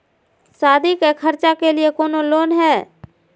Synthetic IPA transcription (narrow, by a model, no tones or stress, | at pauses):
saːd̪ʱikekʰəɾt͡ʃakeliekoːnoloːnɦɛː